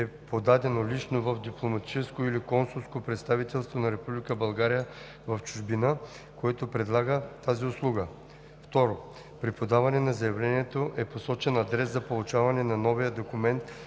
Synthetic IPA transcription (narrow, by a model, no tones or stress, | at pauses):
ɛpod̪ad̪ɛnolit͡ʃnovɐfd̪iplˠomɐt̪i̥t͡ʃɛskoilikɔnsulˠskopɾɛt̪st̪avit̪ɛlˠst̪vonɐɾɛpublikəbɐlˠɡaɾijə | vɐft͡ʃuʒbinə | koɛt̪opɾɛd̪lˠaɡət̪aziʊslˠuɡə | ft̪ɔɾo | pɾipod̪avɐnɛnɐzɐjɐvlɛniɛt̪oʔɛposɔt͡ʃɛnɐd̪ɾɛszɐpolˠut͡ʃavɐnɛnanɔvijəd̪okumɛnt̪